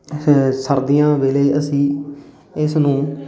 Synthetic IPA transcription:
səɾd̪ijãːʋeːləiːʔəsĩː | ɪsnũː

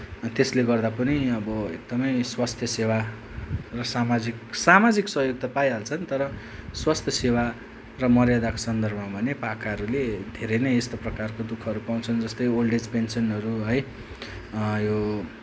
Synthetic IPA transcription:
t̪esleɡʌrd̪apʌniʌbʌḛk̚d̪ʌmʌjswast̪ʰjʌsewa | rʌsamad͡ziksamad͡ziksʌɦjoɡ̚t̪ʌpajɦalt͡sʰʌnt̪ʌɾʌ | swast̪ʰjʌsewa | rʌmʌrjad̪ako̥sʌnd̪ʌrbʱʌmabʱʌnepakaɦʌɾuled̪ʱeɾʌjnʌjest̪oprʌkarkod̪ukʰɦʌɾupaw̃t͡sʰʌnd͡zʌst̪ʌjolɖed͡zpensʌnʌɾuɦʌj | jo

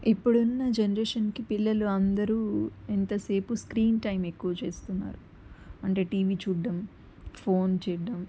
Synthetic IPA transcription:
ipːuɽunːɐd͡ʒenɐɾeːʂɐnkipilːɐluɐnd̪ɐɾuːent̪ɐse̞ːpuskɾiːnʈɐjmekːuʋɐt͡ʃe̞ːst̪unːa̰ːɾu | ɐɳʈe̞ːʈiːʋiːt͡ʃuːɖːɐm | pʰo̞ːnt͡ʃɛːɖɐm

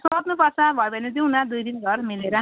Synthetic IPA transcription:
soʌt̪nupʌsabʱʌjbʌned̪inad̪ujd̪inɡʱʌrmileɾʌ

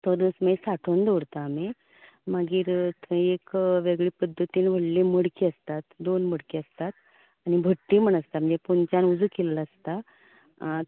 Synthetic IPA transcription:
t̪od̪osmesaʈʰond̪oɽt̪aːme | maɡiːɾt̪ekʋeɡɭiːpəd̪ʱːət̪iːnʋ̤əɽliməɽkiːəst̪at̪d̪onməɽkiəst̪at̪ | añibʱəʈːiːm̤əɳ̃əst̪am̤ənd͡zepunt͡ɕanud͡zuːkellaəst̪a

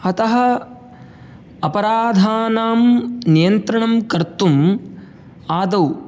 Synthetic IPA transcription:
ɐt̪ɐɦɐ̆ | ɐpɐɾaːd̪ʱaːnaːmnijɐnt̪ɾɐɳɐmkɐɾt̪um | aːd̪ɐw

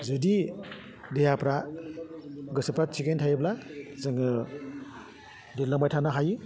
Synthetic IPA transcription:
zɯdi | dejapɾa | ɡɯsɯpɾasʰikentʰajblazɯŋɯ | delːamajtʰanaɦaji

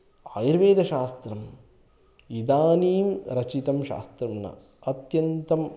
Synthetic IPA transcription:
aːjiɾʋeːd̪ɐʃaːst̪ɾɐm | id̪aːniːmɾɐt͡ʃit̪ɐmʃa̰ːst̪ɾɐmnɐ̰ | ɐt̪jɐnt̪ɐm

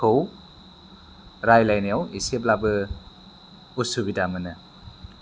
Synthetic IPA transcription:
kʰɯw | ɾajlajnijawisep̬̚labɯ | usubidamɯnɯ

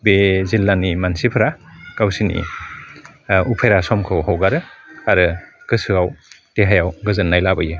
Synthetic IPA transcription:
bezilːanimansipʰɯɾakawsinḭ | upʰejɾasɔmkʰɯwhawɡaɾɯaɾɯɡ̥ɯsɯaw | teɦajawɡɯzɯnːajlabɯjɯ

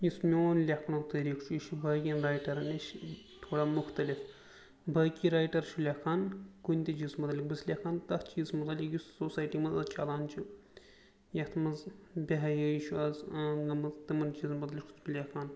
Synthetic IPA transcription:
jismʲoːnlʲɐkʰnɐwt̪ɐːɾiːkʰt͡ʃʰuiʃubɐːkʲinɾaːjʈɐɾnɐʃ | t̪ʰoːɽaːmʊxt̪ɐlif | bʱɐːkʲiɾaːjʈɐɾt͡ʃʰulʲakʰaːnkunʲt̪it͡ʃizmɐt̪ɐlik̚bɨslʲakʰaːnt̪ɐht͡ʃiːzmɐt̪ɐlʲikjussoːsaːjʈiːmɐzɐzt͡ʃaːlaːnt͡ʃʰu | jɐht̪ʰmɐzbʲɐɦɐjəjiʃʰuɐzɡɐmɐzt̪ɨmɐnt͡ʃiːzmɐt̪lʲikʰt̪ʰulʲakʰaːn

